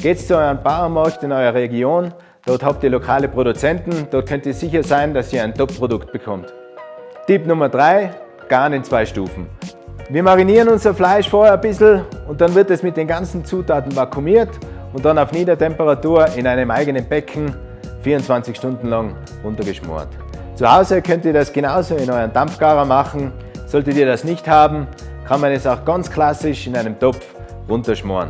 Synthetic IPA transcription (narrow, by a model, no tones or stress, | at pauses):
ɡ̥eːtst͡suɔʏʁənb̥aʊəmɑɐktɪnɔʏʁɐʁeɡjoːn | d̥ɔɐthap̚td̥iɐlokʰaːləpʁoɾut͡sɛntn̩d̥ɔɐt̚kʰœntisɪçɐzaɪndasiːɐaɪntɔp̚pʁ̥odʊkt̚b̥əkʰɔmt | tɪpnʊmɐd̥ʁaɪ | ɡ̥aːnɪnt͡sv̥aɪʃtṵːfn̩viːɐmaʁiniːʁənʊnzɐflaɪʃfoːəɐbɪszl̩ʊnt̚d̥anvɪɐtɛsmɪt̚d̥eːnɡant͡sn̩t͡suːtʰaːtn̩vakʰumiːɐt | ʊnt̚d̥anaʊfniːdɐtʰɛmpəʁatuːɐʔɪnaɪnəmaɪɡənənbɛkʰn̩ | fiːɐʊntt͡sv̥ant͡sɪçʃtʊndn̩laŋ | ʁʊntɐɡəʃmɔ̰ːɐt | t͡suhaʊzəkʰœntiːɐdasɡ̥enaʊzoːɪnɔʏʁɐndamfɡ̥aːʁəmaχn̩ | z̥ɔltətiːɐdasnɪçthaːbm̩ | kʰanmanɛsaʊxɡ̥ant͡skl̥asɪʃɪnaɪnəmtɔf | ʁʊntɐʃmɔ̰ːɐn